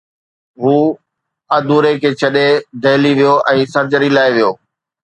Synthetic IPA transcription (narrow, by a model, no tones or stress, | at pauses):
ɦuː | ɐd̪uːɾekʰeːt͡ɕʰɐɗed̪ʱɐɦɪliʋijoʔɛ̃ːsɐɾd͡ʑəɾilaːeʋijoː